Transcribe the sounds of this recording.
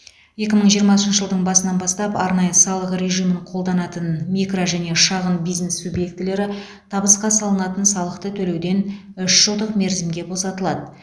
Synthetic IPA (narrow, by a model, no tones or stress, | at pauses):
je̞kʲɪməɴʒijəɾmɑsənʃəʒəlˠd̪əɴbɑsənɑnbɑst̪ɑpɑɾnɑjəsɑlˠəqrʲe̞ʒijməɴqʰo̞lˠd̪ɑnɑt̪ənmʲikroʒæne̞ʃɑʁənbijzne̞subje̞k̚t̪ɪle̞ɾɪ | t̪ʰɑbəsqɑsɑlˠənɑt̪ənsɑlˠəqt̪ət̪ʰɵle̞wd̪e̞n | ʏʃʒ̥əlˠd̪əqme̞ɾzɪmɡʲe̞bo̞sɑt̪əlˠɑd̪ə